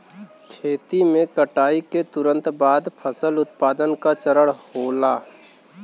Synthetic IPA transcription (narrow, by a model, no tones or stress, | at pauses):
kʰeːt̪imẽkəʈaːiket̪ʊɾə̃nt̪baːd̪pʰəsəlʊt̪̚paːd̪ənkat͡ʃəɾəɽhoːlaː